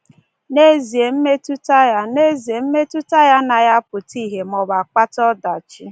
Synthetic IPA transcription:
ne˦zi˨e˨m̩˦me˦tu˦ta˦ja˦ne˦zi˨e˨m̩˦me˦tu˦ta˦ja˦na˨ja˦pʊ˨ti˦˨ɦe˨mɔ˨ba˨k͡pa˦tɔ˦da˨t͡ʃi˦

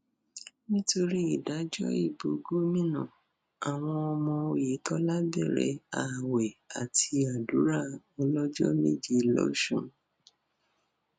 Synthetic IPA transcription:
nĩ˦to˧ɾi˦i˨da˨˦d͡ʒɔ̰˦ḭ˦˨bo˨ɡo˦mĩ˦nã̰˦˨ | a˨w̃ɔ̃˧ɔ˧mɔ̃˧o˧je˨˦tɔ˦la˦bɛ̰˦˨ɾɛ̰˨˦a˨wɛ˨a˨tʰi˧a˨du˨˦ɾa˦˨ | ɔ˧lɔ˦d͡ʒɔ̰˦mḛ˦d͡ʒi˦lɔ̰˦ʃṵ̃˦˨

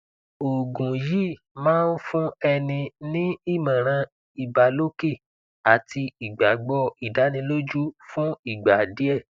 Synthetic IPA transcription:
o˨ɡũ˨ji˦˨ | mãː˦n̩˦fũ˦ɛ˧nĩ˧nĩ˦i˦˨mã˨ɾ̃ã˧ | i˨ba˨lo˦ke˦˨ | a˨ti˧i˨ɡ͡ba˨ɡ͡bɔ˧˦i˨da˨˦nĩ˧lo˦d͡ʒu˦fũ˦i˦˨ɡ͡ba˨di˨˦ɛ˦˨

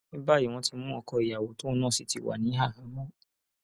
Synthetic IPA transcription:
nĩ˦ba˦i˦˨w̃ɔ̃˧ti˧mũ˦ɔ˧kɔ˧i˨ja˨wo˨˦to˦ɔ˦˧nãː˦˨si˨ti˧˦wa̰˨nĩ˨˦ɦa˦˨hã˨˦mɔ̃˦˨

